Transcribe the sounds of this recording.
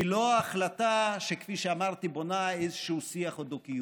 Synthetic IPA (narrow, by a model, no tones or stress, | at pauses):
iloaːχlat̪aʃekfiʃeamaʁt̪ibonaejzeʃeusiaχod̪oki